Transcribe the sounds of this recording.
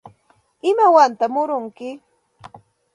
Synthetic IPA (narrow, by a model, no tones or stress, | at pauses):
ɪmawant̪amʊɾʊŋkɪ